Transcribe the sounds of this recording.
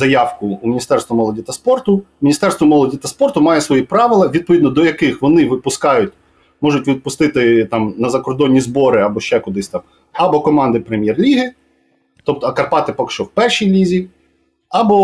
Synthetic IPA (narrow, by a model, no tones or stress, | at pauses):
zɐjɑwkʊumʲinʲist̪ɛrst̪ʋɐmɔlˠɔdʲit̪ɐspɔrt̪ʊmʲnʲist̪ɛrst̪ʋɔmɔlˠɔdʲit̪ɐspɔrt̪ʊmɑjɛsʋɔjipɾɑʋɪlˠɐʋʲid̪̚pɔʋʲid̪nɔd̪ɔjɐkɪxʋɔnɪʋɪpʊskɑjʊtʲ | mɔʒʊtʲʋʲid̪̚pʊst̪ɪt̪ɪt̪ɑmnɐzɐkɔrd̪ɔnʲːizbɔɾɪɑbɔʃt͡ʃɛkʊd̪ɪsʲt̪ɑm | ɐbɔkɔmɑnd̪ɪpɾemʲjɛrlʲiɦɪ | t̪ɔp̚t̪ɔɐkɐrpɑt̪ɪpɐkʃt͡ʃɔwpɛrʃijlʲizʲi | ɐbɔ